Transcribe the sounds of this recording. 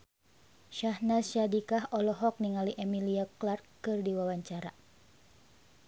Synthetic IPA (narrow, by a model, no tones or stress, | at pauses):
ʃahnasadikaɦɔlɔɦɔk̚niŋaliʔɛmiliaklarkːɨrdiwawaɲt͡ʃaɾa